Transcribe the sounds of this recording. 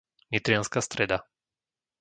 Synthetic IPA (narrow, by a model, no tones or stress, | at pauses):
ɲit̪ɾɪanskast̪ɾɛd̪a